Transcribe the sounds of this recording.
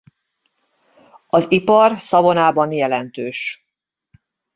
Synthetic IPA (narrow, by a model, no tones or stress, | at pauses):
ɒzipɒrsɒvo̞naːbɒnjɛlɛnt̪øːʃ